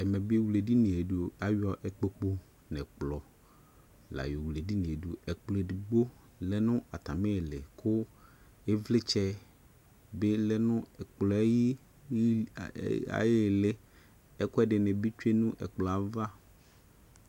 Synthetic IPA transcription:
ɛ˨mɛ̃˨bwle˨di˦nĩ˨e˨do˨a˦ɥɔ˦ʔɛ˨k͡po˦k͡po˦ | nɛ̃˨k͡plɔ˨ | la̰˨jo˨wle˨di˦nĩ˨e˨du˨ɛ˨k͡plɔ˨di˨ɡ͡bo˦ | lɛ˦nʊ̃˦a˨t̪a˨mɛ̃˦˨lɪ˨kʰʊ˦ | e˦vlɪ˦t͡ʃɛ˦ | be˦lɛ˦nʊ̃˦ɛ˨k͡plɔ˨˦ji˦ | a̰˨jɪ˦˨lɪ˦ | ɛ˦kʊ˦ɛ˦dɪ˨nɛ̃˨bi˦t͡ʃu˦e˦nũ˦ʔɛ̰˨k͡plɔ˨a˨va˦

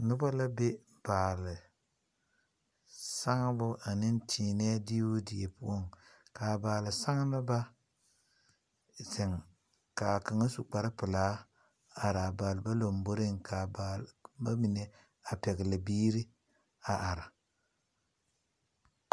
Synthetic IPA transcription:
nʊ˦ba˦la˦be˦ | b̥aː˨lɪ˨ | sa˦ŋ˦bʊ˦ʔa˨nɪ˦n˦tʰiː˨nɛː˦dɪ˦wʊ˦dɪ˨je˨pʊ˦o˦˨ŋkaː˨baː˨lɪ˨sa˦ŋ˦la˦ba˦ | zɪ˨ŋ | ka˨ka˨ŋa˦su˨k͡pa˨ɾɪ˦pɪ˨laː˨˦ | a˨ɾa˨baː˨lba˦lo˨mbo˦ɾɪ˦ŋkʰa˨ba˨lba˦mɪ˨ne˨ | a˨pɛ˨ɡɪ˨la˨biː˦ɾɪ˦ | a˨ʔa˨ɾa˨

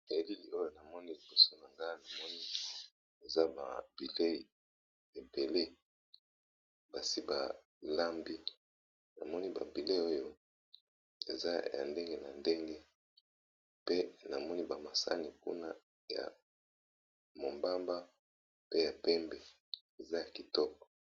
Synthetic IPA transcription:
e˨˦li˦li˨o˦jo˦na˨mɔ˦ni˦li˨b̥o˨so˦na˨ŋɡa˦na˨mɔ˦ni˦ | e˨za˦ba̰˨bi˨le˦i˨ | e˨be˨le˦ | ba˨si˦ba˨ | la˦mbi˦ | na̰˨mɔ˦ni˦ba̰˨bi˨le˦i˦o˦jo˦ | e˨za˦ja̰˨nde˦ŋɡe˦na˨nde˦ŋɡe˦ | pe˦na˨mɔ˦ni˦ba˨ma˨sa̰˦ni˨kṵ˦na˦ | ja̰˨ | mo˨mba˦mba˦ | pe˦ja˨pɛ˦mbɛ˨ | e˨za˦ja˨ki˨tɔ˦kɔ̥˨

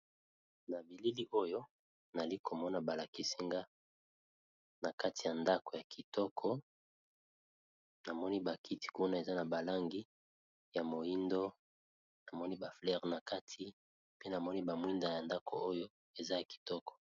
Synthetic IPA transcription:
na˨bi˨li˦li˦ʔo˦jo˦ | na˨li˦kʰo˨mɔ˦na˨ba˨la˨ki˦si˦ŋɡa˦ | na˨ka˦ti˨ja˨nda˦ko˨ja˨kʰi˨tɔ˦kʰɔ˦ | na˨mɔ˦ni˦ba˨kʰi˦ti̥˨ku˦na˦˨e˨za˦na˨ba˨la˦ŋɡi˦ | ja˨mo˨i˦ndo˦ | na˨mɔ˦ni˦ba˨flɛ˦˨ʁna˨ka˦tʰi˦ | pe˦na˨mɔ˦ni˦ba˨mwi˦nda˨ja˨nda˦kʰo̰˨o˦jo˦ | e˨za˦ja˨ki̥˨tɔ˦kɔ̥˨

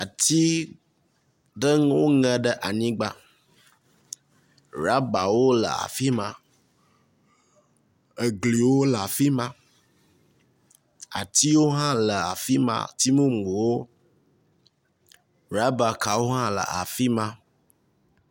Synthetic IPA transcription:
a˨t̪i˦ | ɖə˦ŋwo˦ŋə̃˨ɖə˦ʔa˨ɲĩ˦ɡ͡ba˦ | ɾa˦ba˨wo˦lə̰˨a̰˨fi˦mã˦ | ə˨ɡli˨wo˦lə˨a˨fi˦mã˦ | a̰˨t̪i˦wo˦ɦã˦lə˨a̰˨fi˦mã̰˦t̪i˦mõ˦m˨o˨wo˦ | ɾa˦ba˨ka˨wo˦ɦã˦lə̰˨a̰˨fi˦mã˦

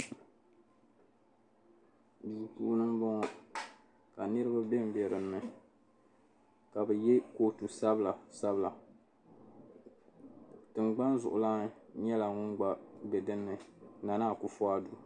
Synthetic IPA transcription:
du˨puː˦nɨ˦m˦bɔ˦ŋɔ˦ | ka˨nɨ˦ɾɨ˦ba˦bɛ˦m̩˦˨bɛ˨ɾɨ˨mːɨ˨ | ka˨bɨ˨jɛ˦ko˦tu˨sa˦bla˨sa˦bla˨ | tɨ˨mɡ͡ba˦nzʊ˨ʔʊ˨la˦ɲɛ˦la˨ŋʊ˦ŋɡ͡ba˦bɛ˨dɨ˦nːɨ˨na˨naː˦˨ku˨fɔ˦a˦du˨

